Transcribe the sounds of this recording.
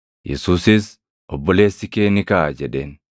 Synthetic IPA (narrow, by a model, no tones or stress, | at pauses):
jɛ̰suːsɪs | ʔɔbːɔle̞ːsːɪke̞ːnɪkɐʔad͡ʒɛᶑeːn